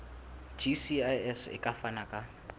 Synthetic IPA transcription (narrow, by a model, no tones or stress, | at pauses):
d͡ʒisiajɛsɪ̰kʼafanakʼa